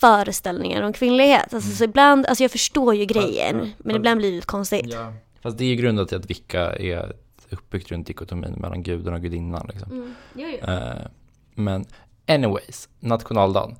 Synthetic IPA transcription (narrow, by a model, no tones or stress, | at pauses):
fœːɾəst̪ɛlnɪ̰ŋa̰ɾɔmkʰvɪnːlɪɡhḛːt̪als̬ɔsɔɪbland̪a̰lsɔjɑːɡfœʂʈoːɾjɵɡɾɛjːə̰nmɛnɪbland̪blɪːɾɛlɪt̪ːkʰɔnst̪ɪɡt̪ | fast̪d̪ɛːɾjɵɡɾɵnd̪at̪ʰɪlat̪vɪkʰːa̰ɛ̰ɛ̰t̪ | ɵpːbʏk̚t̪ɾɵnt̪ɪkʊt̪ʰʊmḭːnmʔɛ̰lːʔa̰nɡʉ̟ːd̪ənɔk̚ɡɵd̪ɪnːa̰nlɪksɔm | mɛn | ɛnɪwejsnat̪ɧʊnɑːld̪ɑ̰ːl